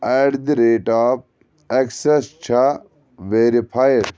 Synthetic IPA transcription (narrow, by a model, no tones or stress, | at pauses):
aɖd̪iɾeːʈaːp̚ | ɐksest͡ʃʰɐ | ʋeːɾipʰajɖ